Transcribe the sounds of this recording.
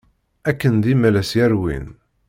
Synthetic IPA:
ækːənd̪imælæsjæɾwḭn

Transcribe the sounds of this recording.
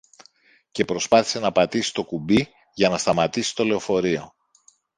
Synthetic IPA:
ce̞pɾo̞spɐθi̥se̞nɐːpɐt̪isi̥t̪o̞kubi | ʝɐnɐst̪ɐmɐt̪isi̥t̪o̞le̞o̞fo̞ɾio̞

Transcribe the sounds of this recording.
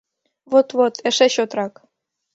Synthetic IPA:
vot̪vot̪ĕʃeɕot̪rɑk

